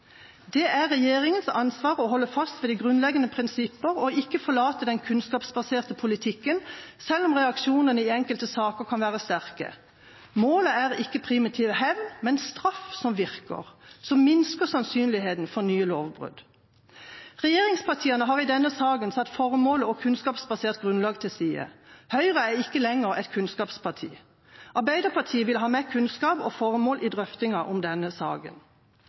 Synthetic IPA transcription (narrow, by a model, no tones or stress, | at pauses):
d̪ɛʔæʁːɛjeːʁɪŋənsɑnsʋɑːʁɔɦɔlːəfɑst̪ʋɛːd̪iːɡʁʉnlɛɡənəpʰʁɪnsɪpːəʁɔɪkːəfɔʁɭɑːt̪əd̪ɛnkʰʉnskɑːpsbɑseːʁt̪əpʰʊlɪt̪ʰɪkːənsɛlːɔmʁɛɑkʃuːnənəɪɛŋkəlt̪əsɑːkəʁkʰɑnʋæːʁəst̪æʁkə̰ | moːləæʁɪkːəpʰʁɪmɪt̪ʰiːʋəhɛʋnmɛnst̪ʁɑfsɔmʋɪʁkə̰ʁsɔmmɪnskəsɑnsyːnlɪheːt̪n̩fɔʁnyːəloːʋbʁʉ̰d̪̥ | ʁɛjeːʁɪŋspʰɑt̪ʰiːɑnəɦɑːʁid̪ɛnːəsɑːɡənsɑt̪ːfɔʁəmoːləɔkʰʉnskɑːpsbɑseːʁt̪̚ɡʁʉnlɑːɡt̪ʰɪsiːə̰hœʏʁəæʁɪkːəlɛŋəʁɛ̰t̪kʰʉnskɑːpspʰɑt̪ʰḭː | ʔɑʁbæɪd̪əpʰɑt̪ʰiːəʋɪlɦɑːmɛkʰʉnskɑːpɔ̰fɔʁəmoːlʔiːd̪ʁœft̪ɪŋɑʔɔmd̪ɛnːəsɑ̰ːɡə̰n